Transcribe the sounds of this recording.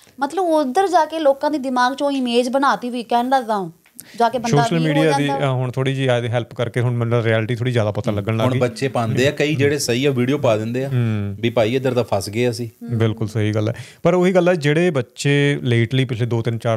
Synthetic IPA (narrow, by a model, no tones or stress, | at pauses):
mət̪ləbʊd̪əɾd͡ʒaːkeːloːkãːd̪iːd̪ɪmaːɡt͡ʃõːɪmeːd͡ʒbənaːt̪iːɦiːkɛːnləɡd̪aːõː | d͡ʒaːkeːbəsoːʃəlmiːɖijaːd̪iːɦʊɳ̃t̪ʰoːɽiːd͡ʒiːaːd̪eɦɛːlpkəɾkeːɦʊɳmənəɾiːɛːlʈit̪ʰoːɽiːzjaːd̪aːpət̪ãːləɡəɳlaːʊɳɡiːbətːʃeːpãːnd̪eːaːkəiːd͡ʒeːɽeːsəiːaʋiːɖijoːpaːd̪ɪ̃nd̪eːaːbiːpaːiːəd̪əɾt̪aːpʰasɡeːəsĩːbɪlkʊlsəɦiːɡəlːɛ̰ː | pəɾoːɦiːɡəlːɛːd͡ʒeːɽeːbətːʃeːleːʈliːpɪsleːd̪oːt̪ɪnt͡ʃaːɾ